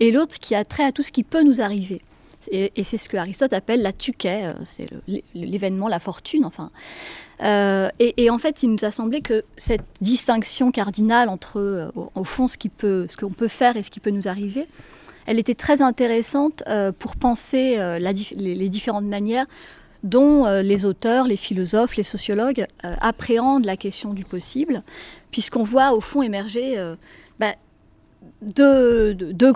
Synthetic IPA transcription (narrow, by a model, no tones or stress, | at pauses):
elot̪χə̥kʲʰiat̪χɛat̪usə̥kʲipønuzaʁive | eesɛsə̥kəaʁist̪ɔt̪apɛlːat̪ykʲɛø̰sɛ̰lə̰lləlevɛnmɑ̃lafɔʁt̪ʰynɑ̃fɛ̃ | øeʔːɑ̃fɛt̪ilnuzasɑ̃blekəsɛt̪̚d̪ist̪ɛ̃ksjɔ̃kaʁd̪inalɑ̃t̪χəø̰o̰ofɔ̃sə̥kʲipʰøsə̥kəɔ̃pøfɛʁesə̥kʲipønuzaʁive | ɛlet̪ɛt̪χɛzɛ̃t̪eʁesɑ̃t̪øpuʁpɑ̃seølad̪ifleled̪ifeʁɑ̃t̪manjɛʁ | d̪ɔ̃ølezot̪œʁlefilɔzɔflesɔsjɔlɔɡø̰a̰pχeɑ̃d̪ʁlakʲɛst̪jɔ̃d̪ypɔsiblpɥiskɔ̃vwaofɔ̃emɛʁʒeø | ba | d̪ød̪ø